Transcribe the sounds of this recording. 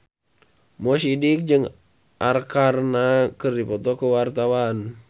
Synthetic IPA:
mɔsidik̚d͡ʒɨŋ | ʔarkarnakərdipɔt̪ɔkəwart̪awan

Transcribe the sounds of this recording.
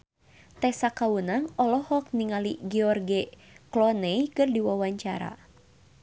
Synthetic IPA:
t̪ɛsakawunaŋɔlɔhɔk̚niŋalḭɡɛɔrɡɛ | klɔneikɨrdiwawaɲt͡ʃa̰ɾa̰

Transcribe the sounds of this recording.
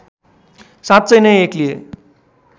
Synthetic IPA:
sãt̪̚t͡sʌjnʌjeklie

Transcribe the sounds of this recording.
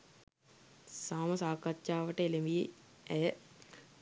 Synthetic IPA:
saːməsaːkatʃaːʋəʈəelemije | ɛjə

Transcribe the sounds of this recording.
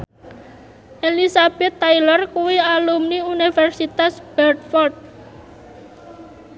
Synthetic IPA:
ʔelisab̥ɛt̪ːajlɔrkuwialumniunifɛrsit̪asb̥ɛrt̪̚fɔrd̪̚

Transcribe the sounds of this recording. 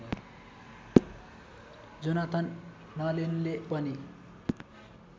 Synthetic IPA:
d͡zʌnat̪ʰʌnː | ʌlenulepʌni

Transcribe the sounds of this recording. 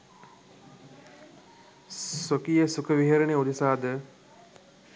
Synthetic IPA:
sokijəsukəʋiɦeɾɐneud̪isaːd̪ə

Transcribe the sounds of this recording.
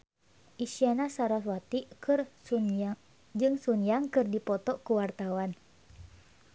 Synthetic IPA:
ʔisianasaɾaswat̪ikɨr | d͡ʒɨŋsunjaŋkɨrdipɔt̪ɔkuwart̪awan

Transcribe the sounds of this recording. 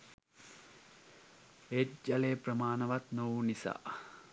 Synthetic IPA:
ed͡ʒaleːprəmaːnəʋat̪nowunisa̰ː

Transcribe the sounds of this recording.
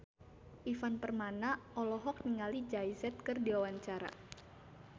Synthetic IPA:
ʔifanpərmanaɔlɔɦɔk̚niŋalid͡ʒajsɛt̪̚kɨrdiwawaɲt͡ʃaɾa̰

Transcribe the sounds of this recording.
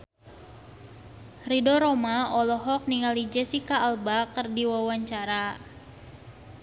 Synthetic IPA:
ridɔɾomaɔlɔɦɔk̚niŋalid͡ʒɛsikaːlbakərdiwawaɲt͡ʃaɾa

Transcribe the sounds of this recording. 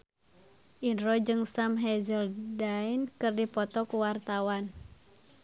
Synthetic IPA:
ʔinɾɔd͡ʒɨŋsamɦɛzəldainkɨrdipɔt̪ɔkuwart̪awan

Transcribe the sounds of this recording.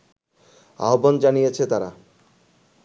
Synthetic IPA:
a̰ɦoband͡ʑanijet͡ɕʰet̪aɾa

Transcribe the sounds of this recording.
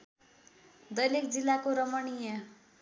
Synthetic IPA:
d̪ʌjlikd͡zilːakoɾʌmʌɽijʌ

